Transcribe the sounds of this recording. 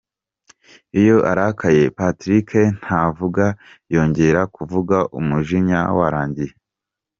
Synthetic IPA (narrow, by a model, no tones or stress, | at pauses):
ijo̞ʔa̰ɾakʰaje̞patɾikʰen̥havuɡa | jo̞ːɲɟe̞ɾakuvuɡaʔumuʒiɲa̰waɾaːɲɟije